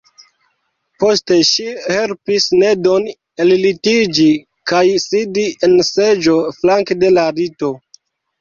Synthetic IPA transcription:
po̞ste̞ʃihe̞lpisne̞don | ellitid͡ʒi | kajsidiense̞d͡ʒo̞flaŋkde̞laɾito̞

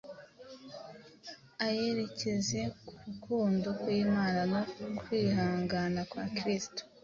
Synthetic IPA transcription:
aje̞ɾe̞ceze̞uɾukʰuːndokwiːmaːnano̞kwiːhaːŋɡaːnakwa̰ːkɾisto̥

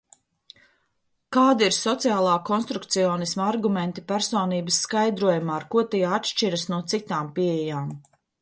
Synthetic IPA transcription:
kaːd̪iiɾsɔt̪sijaːlˠaːkɔnst̪ɾukt̪sijɔːnismaɾɡumɛnt̪ipæɾsɔːniːbəsːkajd̪ɾuɔjumaːɾkuɔt̪ijat̪ʃt͡ʃiɾɐsnuɔt̪sit̪aːmpiejaːm

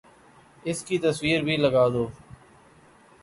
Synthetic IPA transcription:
ɪskiːt̪əswiːɾbʱiːləɡaːd̪oː

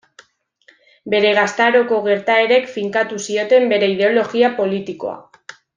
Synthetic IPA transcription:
be̞ɾe̞ɣ̞ast̪aɾo̞ko̞ɣ̞e̞ɾt̪ae̞ɾe̞kfiŋkat̪usio̞t̪e̞mbe̞ɾe̞ið̞eo̞lo̞ɣiapo̞lit̪iko̞̰a̰

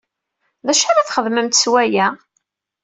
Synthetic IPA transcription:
ðæʃaɾaθχəðməmt̪swæjæ

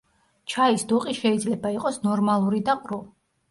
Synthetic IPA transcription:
t͡ʃʰaisd̪uqʼiʃɛid̪zlɛbaiqʼɔsnɔɾmalˠuɾid̪aqʼɾu

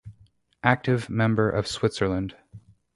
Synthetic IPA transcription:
ʔæk̚tɨvmɛ̃mbə˞ʔʌv̥swɪtsə˞lˠə̃nd̥

